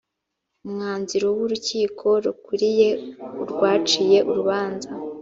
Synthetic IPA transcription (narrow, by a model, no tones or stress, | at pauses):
umŋaːnziɾo̞wuɾuciːkʰo̞ɾukuɾije̞uɾɡwaːt͡ʃije̞ʔuɾuβaːnza